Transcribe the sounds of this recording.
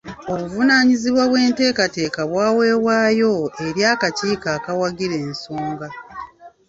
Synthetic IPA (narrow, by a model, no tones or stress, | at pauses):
o̞βuvunaːɲiziβwaβwe̞ːnte̞ːkate̞ːkaβwaːwe̞ːwaːjo̞e̞ɾjaːkaciːkaːkawaɡiɾe̞ːnsuːŋɡa